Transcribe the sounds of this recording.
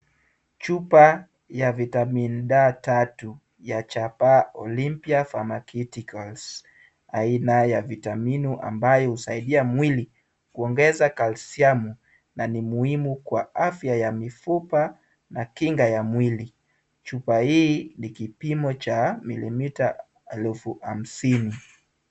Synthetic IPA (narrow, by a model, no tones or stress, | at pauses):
t͡ʃupa | javitaminuɗatatu | jat͡ʃapaɔ̰limpiafamakitikals | ainajavitaminuʔa̰mbajɔhusaiɗiamwili | kuɔŋɡɛzakalsiamu | nanimuhimukwaafjajamifupa | nakiŋɡajamwili | t͡ʃupahiːnikipimɔt͡ʃamḭlimita | ɛlfua̰m̩sini